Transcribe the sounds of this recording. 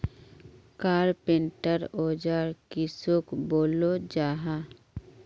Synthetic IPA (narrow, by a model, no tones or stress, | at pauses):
kaːɾpẽɳʈəɾoːd͡ʒaːɾkisokboːlod͡ʒaːɦaː